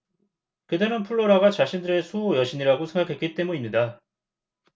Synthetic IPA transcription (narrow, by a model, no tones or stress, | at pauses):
kɯteɾɯnpʰuɭːoɾaɡat͡ɕaɕʰindɯɾe̞sʰujʌɕʰiɲiɾaɡosʰe̞ŋɡakʰe̞k͈it͈e̞muimɲida